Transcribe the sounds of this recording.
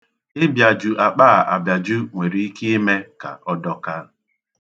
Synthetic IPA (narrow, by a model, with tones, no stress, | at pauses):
ɪ˦bja˨d͡ʒu˨ʔa˨k͡paː˦˨ʔa˨bja˨d͡ʒu˦ŋʷe˨ɾi˨i˦ke˦e˦me˦ka̰˨ɔ˦dɔ˦ka˦